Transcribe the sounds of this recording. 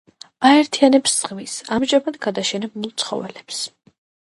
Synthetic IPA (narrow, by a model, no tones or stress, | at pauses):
aɛɾt̪ʰianɛpsz̥ʁmisamʒamad̪ɡad̪aʃɛnɛbulˠt̪sʰχɔ̰vɛlɛps